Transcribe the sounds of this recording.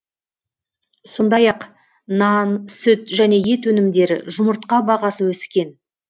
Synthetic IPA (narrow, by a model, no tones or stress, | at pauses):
so̞nd̪ɑjɑq | nɑnsʏt̪ʒæne̞je̞t̪wɵnɪmd̪e̞ɾɪ̰ʒʊməɾt̪̚qɑbɑʁɑsəwɵsɪkʲe̞n